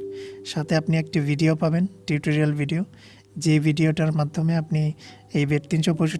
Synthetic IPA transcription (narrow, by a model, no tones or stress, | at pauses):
ʃat̪ʰeapniek̚ʈibʱiɖiopabenʈiʈoɾialbʱiɖio | d͡ʑebʱiɖioʈaɾmad̪ʱːomeapni | ejbeɾt̪inʃopoʃu